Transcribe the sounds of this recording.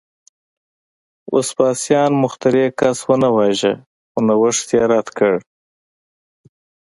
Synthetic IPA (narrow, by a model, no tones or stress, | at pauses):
ʔo̰spɑsjɑnmʊxt̪aɾekaswənawɑʒa̰ | xonawəʂt̪jɑɾat̪kəɽ